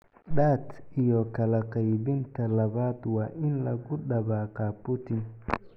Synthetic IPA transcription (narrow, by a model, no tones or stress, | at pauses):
ɗaːt̪ɪjɔkɐlɐqɐjbɪnt̪ʰɐlɐβaːd̪waːʔɪnlɐɡʊɗɐβaːqaːpʊt̪ɪn